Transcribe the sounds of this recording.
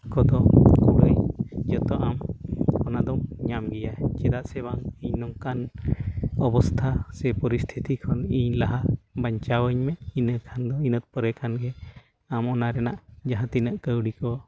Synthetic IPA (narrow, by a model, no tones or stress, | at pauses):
kɔd̪ɔkuɡəjd͡ʒɔt̪ɔʔamkɔnad̪ɔmɲamɡijaɛd͡ʒɛd̪aʔsɛβaŋiɲnɔŋkan | ɔbɔst̪ʰasɛpɔɾist̪ʰit̪ikʰɔniɲlaɦabaɲt͡ʃawəɲmɛʔinəkʰand̪ɔinət̪̚pɔɾɛkʰanɡɛ | amɔnaɾɛna̰ʔd͡ʒaɦãt̪inəʔkəwɽikɔ